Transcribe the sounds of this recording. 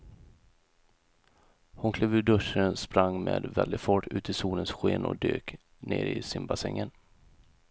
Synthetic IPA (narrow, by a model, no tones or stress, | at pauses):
hʊnkʰleːvʉɖɵʂənspɾaŋːmeːd̪vɛld̪ɪfɔʈʰːʉ̟ːt̪ʰɪsuːlənsɧeːnɔ̰d̪øːk | neːɾɪsɪnbasɛŋːən